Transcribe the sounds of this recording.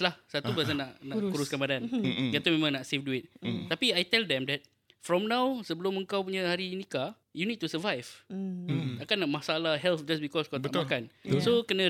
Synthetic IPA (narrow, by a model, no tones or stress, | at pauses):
lahsat̪ubəas̬anaʔnaʔkuɾʊskanbadanɡat̪umẽmãŋnaʔsefduɪt̪̚ːapiajt̪ɛldɛ̃mdɛt̚ | fɾɔmnãwsəbəlʊməŋkawpuɲãhaɾinĩka | junid̚t̪usəvajv̥ | akanːaʔmahsaalaɦɛlfd͡ʒasbikɔskat̪aakansokənã